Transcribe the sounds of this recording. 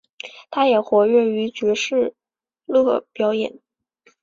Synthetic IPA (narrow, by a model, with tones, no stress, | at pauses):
t̪ʰa˥jɛ˨˩xwɔ˧˥ɥɛ˥˩y˧˥t͡ɕɥɛ˧˥ʂɻ̩˥˩ | lɤ˥˧pjɑ˧˥ʊjɛ̰˨˩˦n